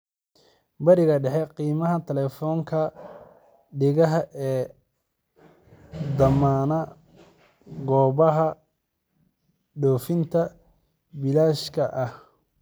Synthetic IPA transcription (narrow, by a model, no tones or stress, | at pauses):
bɐɾɪɣɐɖɛħɛqiːmɐɦɐt̪ʰɐlɛːfɔːŋkʰɐ | ɖɪɣɐɦɐʔɛː | d̪ɐmaːnɐ | ɡɔːβɐɦɐ | ɖɔːfɪnt̪ʰɐ | bɪlaːʃkʰɐʔɐh